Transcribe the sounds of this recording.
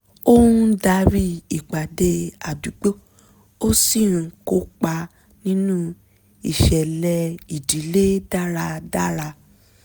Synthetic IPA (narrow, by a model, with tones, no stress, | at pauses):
o˦ũ˦da˧˦ɾi˦i˨k͡pa˨de˧a˨du˨˦ɡ͡bo˦ | o˦si˦˨ɾ̃ĩ˨˧ko˦k͡pa˧ | nĩ˦nũ˦ | i˨ʃɛ˨lɛ˧i˨di˨˦le˦da˦ɾa˧da˦ɾa˧